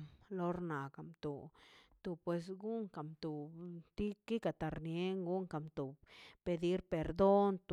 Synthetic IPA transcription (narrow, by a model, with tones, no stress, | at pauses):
lo˧ɾna˨ka˨mt̪o˨t̪o˨pwe˧s̬ɡu˦ŋka˨mt̪o˨t̪i˦ki˦ka˨t̪a˨ɾnje˦ŋɡu˦ŋka˨mt̪o˨pe˧d̪i˦ɾpe˨ɾd̪o˦nt̪